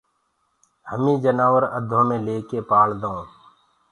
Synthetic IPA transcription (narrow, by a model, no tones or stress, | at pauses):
həmĩːd͡ʒənaːʋəɾəd̪ʱõːmẽːleːkeːpaːld̪õː